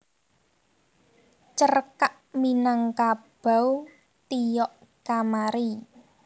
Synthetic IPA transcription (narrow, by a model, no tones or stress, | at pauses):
t͡ʃərkaʔ | minaŋkab̥a̤w | t̪ijɔʔ | kamaɾi